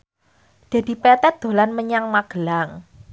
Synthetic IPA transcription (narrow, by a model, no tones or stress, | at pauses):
d̥a̤d̥i̤pɛt̪ɛt̪̚d̪̥o̤lanməɲaŋmaɡ̥əlaŋ